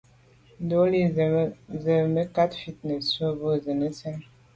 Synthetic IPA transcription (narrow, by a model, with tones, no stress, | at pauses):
do˦li˦ | zə˨mə˦ka˦tfi˦t̚nə˨sə˦bə˦zə˨nə˦t͡sɛ˦ŋ